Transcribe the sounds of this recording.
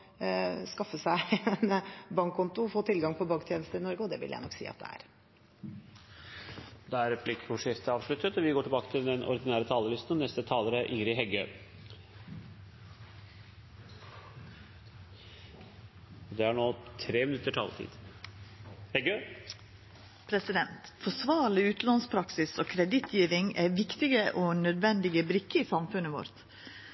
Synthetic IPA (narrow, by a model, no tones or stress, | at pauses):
skɑfːəsæɪɛnbɑŋkkːʊnt̪ʊɔfoːt̪ʰɪlɡɑŋpʰɔbɑːɡkt̪ʰjeːnəst̪əɾɪnɔɾɡəɔd̪ɛʋɪ̰ljæ̰ɪnɔ̰kːsḭːɑt̪̚d̪ɛ̰æ̰ɾ | d̪ɛæɾɛpʰlɪkʰːɔʂeft̪əɑːʋʂɭʉt̪ːət̪ɔʋɪɡoːʈʰɪlbɑːkət̪ʰɪld̪ɛnʔɔ̰ɾd̪ɪnæːɾət̪ʰɑːləlɪst̪n̩ɔnɛst̪ət̪ʰɑːləɾəæʔɪŋɾɪɦɛɡøː | ɔd̪ɛæɳoːt̪ʰɾeːmɪnʉt̪ːəʈʰɑ̰ːlt̪ʰḭːd̪̥ | hɛɡøː | pʰɾɛsɪd̪ɛnt̪fɔsʋɑːɾɭɪʉːt̪n̩lɑnspʰɾɑksɪsoːkʰɾɛd̪ɪt̪ʰjiːʋɪŋæʋɪkt̪ɪɡəʔoːnœd̪ʋɛnd̪ɪɡəbɾɪkːəiːsɑmfʉnːəʋɔ̰ɾt̪